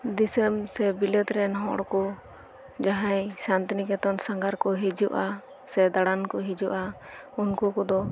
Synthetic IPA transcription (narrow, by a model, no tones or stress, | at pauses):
d̪isəmsɛbilɛt̪ɾɛnɦɔɽɔkɔ | d͡ʒaɦajsant̪inikɛt̪ɔnsaŋɡaɾkɔɦid͡ʒuʔa | sɛd̪aɽankɔɦid͡ʒuʔa | unkukɔd̪ɔ